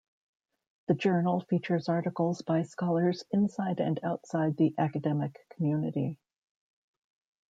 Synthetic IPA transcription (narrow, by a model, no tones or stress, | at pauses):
ðɨd͡ʒɜ˞nl̩ˠfit͡ʃə˞zɑɹɾɨkl̩ˠzbaɪskɑlˠə˞zɨ̃nsaɪɾɨ̰̃naʊtsaɪd̪̚ðiʔækɨdɛmɨkʰːm̩jʉnɨɾi